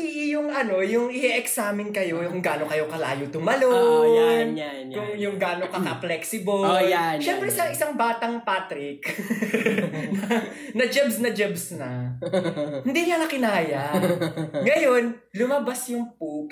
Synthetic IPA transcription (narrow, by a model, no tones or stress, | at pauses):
ɪʔɪjʊŋɐno̞jʊŋʔɪhiʔɛksaːmɪnkɐjo̞kʊŋɡaːnokɐjo̞kɐla̰ːjʊt̪ʊmɐlo | kʊŋjʊŋɡaːnokɐkɐplɛksɪboojaʃɛmpɾɛsɐŋɪsaŋbaːt̪ɐŋpaːt̪ɾɪk | nɐ | nɐd͡ʒɛbsnɐd͡ʒɛbsnɐ | hɪnd̪iɲɐɐkɪnaːjɐ | ŋɐjo̞n | lʊmɐbasjʊŋp̚uk